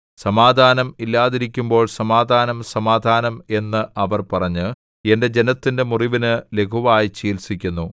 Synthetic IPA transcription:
sɐmaːd̪ʱaːnɐmilːaːðiɾikʲːumbo̞ːɭsɐmaːd̪ʱaːnɐmsɐmaːd̪ʱaːnɐme̞nːɨʔɐʋɐrpɐrɐɲːɨ | e̞nde̞d͡ʑe̞nɐt̪ːinde̞muriʋinɨle̞kʰuʋaːjit͡ɕiːlsikʲːunːu

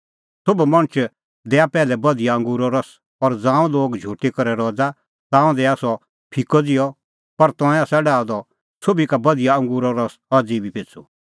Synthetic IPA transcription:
sobumɐ̃ɽ̃t͡ʃ | d̪ɛːapɛːlɛbɐd̪ijaɐ̃ŋɡuɾɔɾɐs | ɔɾd͡zãːũloːɡd͡ʒʱuːʈikɐɾɛɾɔːd͡za | t̪ãːũd̪ɛasɔ | pʰɪkɔd͡zɪjɔ | pɐɾt̪ɔ̃ːɛ̃ɐsaɖaːɔd̪ɔ | sobikabɐd̪ijaɐ̃ŋɡuɾɔɾɐs | ɐd͡zibʱipet͡sʰṵ

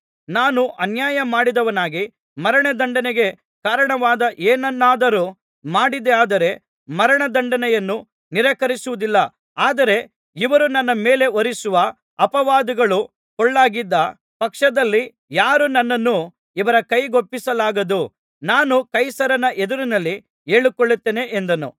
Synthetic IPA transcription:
naːnuʔɐnjaːjɐmaːɽid̪ɐʋɐnaːɡi | mɐɾɐɳɐd̪ɐɳɖɐneɡe̞ | kaːɾɐɳɐʋaːd̪ɐʔeːnɐnːaːd̪ɐɾu | maːɽid̪eaːd̪ɐɾe̞ | mɐɾɐɳɐd̪ɐɳɖɐnɛjɐnːu | niɾɐkɐɾisuʋud̪ilːɐ | aːd̪ɐɾe̞ | iʋɐɾunɐnːɐme̞ːle̞ʋoɾisuʋɐ | ɐpɐʋaːd̪ɐɡɐɭu | kɔɭːaːɡid̪ːɐ | pɐkʂɐd̪ɐlːi | jaːɾunɐnːɐnːu | iʋɐɾɐkɐjɡopːisɐlaːɡɐd̪u | naːnukɐjsɐɾɐnɐʔed̪uɾinɐlːi | e̞ːɭukoɭːut̪ːeːne̞ʔend̪ɐnṵ

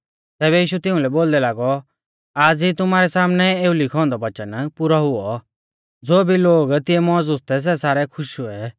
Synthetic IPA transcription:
t̪ɛːβɛjiːʃut̪ɪʊ̃lɛboːld̪ɛlaːɡɔ | aːd͡zit̪ʊmaːɾɛsaːmnɛeːulikʰɔ̃ːnd̪ɔʋɐt͡ʃənpʊɾɔɦʊɔ | d͡zoːbʱiloːɡt̪ɪɛmɔːd͡zʊst̪ɛs̬ɛsaːɾɛkʰʊʃuɛ

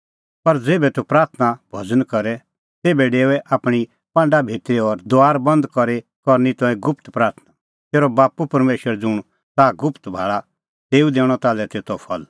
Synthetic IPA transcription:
pɐɾd͡zeːbɛt̪upɾaːɾt̪ʰnabʱɐd͡zənkɐɾɛ | t̪eːbɛɖeːɛʔaːpɽ̃i | pãːɳɖabʱeːt̪ɾeɔɾd̪oaːɾbɐ̃nd̪kɔɾe | kɔɾnit̪ɔ̃ːĩɡʊpt̪pɾaːɾt̪ʰna | t̪eːɾɔbaːpupɐɾmeːʃəɾd͡zʊɽ̃ | t̪aɡʊpʰt̪bʱa̰ːɭa | t̪eːud̪eːɽ̃ɔt̪aːlɛt̪eːt̪ʰɔpʰɐl

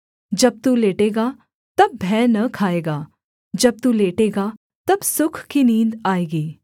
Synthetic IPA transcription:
d͡ʒɐb̚t̪uːleːʈeːɡa | t̪ɐbbʱɛːnɐkʰaːeːɡaː | d͡ʒɐb̚t̪uːleːʈeːɡaː | t̪ɐbsʊkʰkinĩːnd̪aːeːɡiː

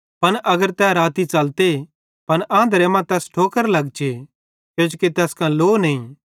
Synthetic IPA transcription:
pɐnʔɐɡəɾt̪ɛːɾaːt̪it͡ʃɐlt̪e | pɐnʔãːnd̪ɾemãt̪ɛːsʈʰoːkəɾlɐɡt͡ʃe | kjõːd͡ʒokit̪ɛːskãloːnɐĩ

